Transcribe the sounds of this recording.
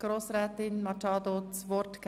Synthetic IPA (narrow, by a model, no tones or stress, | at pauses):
ɡ̥ɾoːsɾɛːtɪnmɑtɑːd̪ot͡sʋɔɾtk